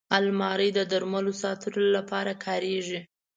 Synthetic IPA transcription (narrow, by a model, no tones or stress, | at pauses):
almɑɾəjd̪əd̪aɾmalosɑt̪əɾolapɑɾakʰɑɾeʐi